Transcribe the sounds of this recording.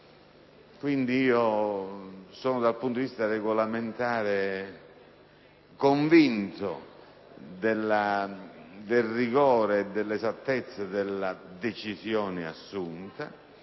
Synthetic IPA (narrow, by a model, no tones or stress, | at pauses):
kwind̪iiːo | sɔːnʊd̪alpunt̪oivist̪arɛɡolament̪aːɾe | koɱvint̪ʊ̰ | d̪ɛlːa | d̪elriɡɔːɾeːd̪ːɛlːɛzat̪ːɛt̪sːad̪ɛlːad̪et͡ʃizjɔːnɪa̰sːunt̪a